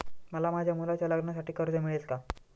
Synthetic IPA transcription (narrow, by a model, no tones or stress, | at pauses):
məlamad͡ʑʱjamulat͡ɕjaləɡɳjas̬aʈiːkəɾd͡zəmiɭelka